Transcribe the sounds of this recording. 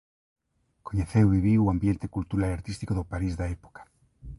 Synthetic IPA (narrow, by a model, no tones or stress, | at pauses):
koɲeθewβiβiuambjent̪ekult̪uɾalaɾt̪ist̪ikoðopaɾizðaepo̥kḁ